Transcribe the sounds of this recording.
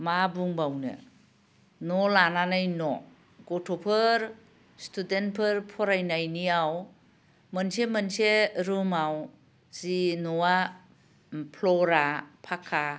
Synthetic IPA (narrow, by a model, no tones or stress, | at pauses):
mabuŋbawnɯ̰ | nɔlananɯjnɔ | ɡɔtʰɔpʰɯɾ | stʰudent̚pʰɯɾpʰɔɾajnajniaw | mənsemənseɾɯmaw | zinɔwa | pʰlɔɾapʰakʰa